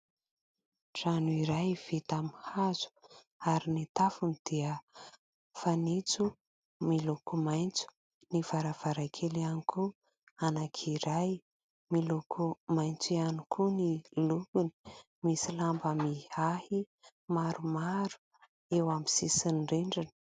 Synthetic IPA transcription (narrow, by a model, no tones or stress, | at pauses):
ʈ͡ʂanuiɾajv̥et̪amihazu̥ | aɾinit̪afunid̪̥iə | fanit͡su | milukumajnt͡su̥ | nivaɾav̥aɾakʰelianikʰu | anakʰiɾaj | milukʰumajnt͡sianikʰuniluɡuni̥ | misilambəmihahi | maɾumaɾu̥ | ewamisisinɖ͡ʐeɳɖ͡ʐan̥